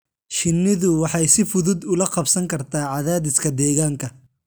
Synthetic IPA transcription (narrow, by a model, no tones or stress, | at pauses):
ʃɪnːɪðʊwɑħɑjsɪfʊðʊd̪ʊlɐqɑbsɐŋkʰɐrt̪ʰaːʕɑðaːðɪskʰɐd̪ɛːɣaːŋkʰɐ